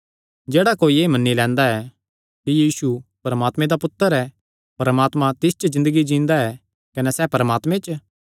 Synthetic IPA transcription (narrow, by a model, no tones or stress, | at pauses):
d͡ʒeːɽakoːieːimɐnːilɛ̃ːnd̪aɛ | kijiːsupɐɾəmaːt̪mẽd̪apʊt̪ːəɾɛ | pɐɾəmaːt̪mãt̪ɪst͡ʃəd͡ʒɪ̃nd̪əɡid͡ʒĩːnd̪aɛ | kɐnɛsɛpɐɾəmaːt̪mẽt͡ʃ